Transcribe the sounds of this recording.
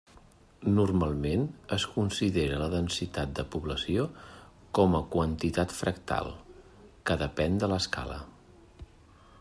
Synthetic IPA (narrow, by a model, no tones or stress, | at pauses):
nurmalˠmenəskunsiðeɾələðənsit̪at̪̚d̪əpuβləsio | kɔməkwənt̪it̪at̪fɾəkt̪a̰lˠ | kəðəpɛnd̪ələska̰lə̰